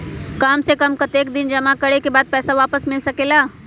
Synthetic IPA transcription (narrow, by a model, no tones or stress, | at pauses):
kaːmsekɐmkɐt̪eːk̚d̪ɪnd͡ʒɐmakɐɽekebaːd̪̚pɛːsaʋaːpəsmɪlsɐkeːlaː